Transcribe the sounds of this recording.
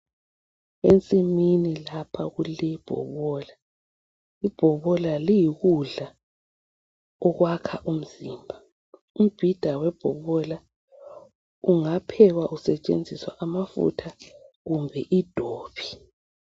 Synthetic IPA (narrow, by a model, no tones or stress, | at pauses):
ent͡sʼiminilapʰaɣulib̥ʱɔ̰βɔːla | ib̥ʱɔβɔlalijiɣuɮa | ɔɣwakʰaʔum̩ziːmbʱa | um̩b̥ʱid̥ʱawɛb̥ʱɔβɔla | uŋapʰɛɣwaʔusɛt͡ʃʼḛnd͡zʱiswa̰ʔamafṵtʰa | ɣumbʱɛʔid̥ʱoːβi